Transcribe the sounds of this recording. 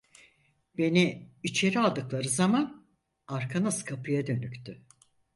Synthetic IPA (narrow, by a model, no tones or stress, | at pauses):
b̥e̞niit͡ʃʰe̞ɾialˠd̪ɯklˠaɾɯzaman | aɾkʰanaskʰapʰɯjad̪ø̞nykt̪ʰy